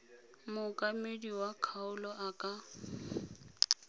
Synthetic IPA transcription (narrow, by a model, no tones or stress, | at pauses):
mʊkʼamediwakʰaʊlɔʔakʼa